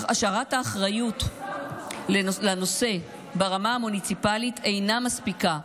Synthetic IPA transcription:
aʃaʁathaːχʁajut | lelano̞se̞ | baʁamaamunit͡sipalitʰe̞jnamaspika

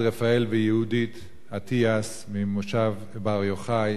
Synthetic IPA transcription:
ʁefaelvejehudit̪ | atʰias | mimoʃav | baʁjoχaj

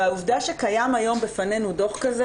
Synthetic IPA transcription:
auvdaʃekajamajo̞mbefane̞nudo̞χkaze

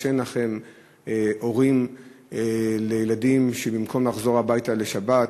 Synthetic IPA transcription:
enaχe̞m | ʔo̞ʁimelejeladimʃebimkʰo̞mlaχzo̞ʁhabajtale̞ʃaba

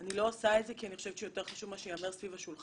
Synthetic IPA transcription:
nilo̞asaetzekianiχoʃet͡ʃʃejote̞ʁχaʃuvmaʃeameʁsvivaʃul

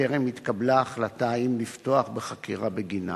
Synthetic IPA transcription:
eʁemit̪kablaːχlataimlifto̞aχbeχakiʁabeɡina̰

